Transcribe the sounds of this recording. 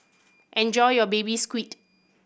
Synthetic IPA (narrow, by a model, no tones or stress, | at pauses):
ʔɛ̃nd͡ʒɔjjɔbebiskwit